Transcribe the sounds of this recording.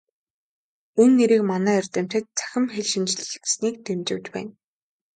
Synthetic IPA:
unːeɾiːkmanæːɔrʲt̪æːm̥ʲt̪ɘ̆t̪̚t͡sæ̥xʲɪ̆mxeɮʃĭnt͡ɕɮ̆ɮ̆tsniːk̚t̪ʰemt͡ɕɪ̆wʲt͡ɕ̪pæ̰ːn

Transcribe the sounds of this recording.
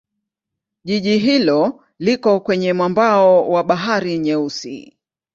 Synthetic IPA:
ʄiʄiɦilɔ | likɔkwɛɲɛmwambaɔwaɓaɦaɾiɲɛusḭ

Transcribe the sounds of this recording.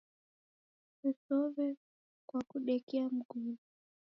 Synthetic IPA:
ɛsɔvɛ | kwakuɗɛkɛam̩ɡu

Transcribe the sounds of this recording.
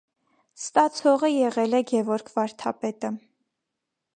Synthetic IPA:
st̪ɑt͡sʰɔʁəjɛʁɛlɛɡɛvɔɾkʰvɑɾt̪ʰɑpɛt̪ə

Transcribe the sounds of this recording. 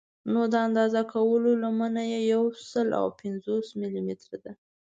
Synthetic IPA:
nod̪əand̪ɑzakawəlolamənajejawsəla̰wpɪnzosmilimit̪ɾad̪a

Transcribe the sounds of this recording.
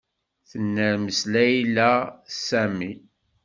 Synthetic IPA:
θənːəɾməslæjlæsæmi

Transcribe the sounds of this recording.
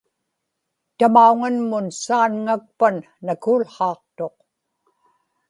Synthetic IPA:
t̪amauŋanmʊnsaːnŋak̚panːakuːlχɑːq̚t̪o̞q

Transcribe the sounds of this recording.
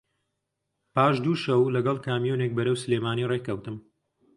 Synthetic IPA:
paːʃd̪uːʃɐwlɐɡɐlˠkaːmijunek̚bɐɾɐwsɨleːmaːnirekɐwt̪ɨm

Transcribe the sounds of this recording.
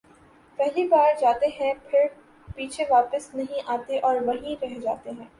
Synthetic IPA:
pɛɦlibaːɾd͡ʒaːt̪eɦɛ̃pʰɪɾ | piːt͡ʃʰeʋaːpəsnɐɦĩʔaːt̪eʔɔːɾʋɐɦĩɾɛɦd͡ʒa̰ːt̪eɦɛ̃ː

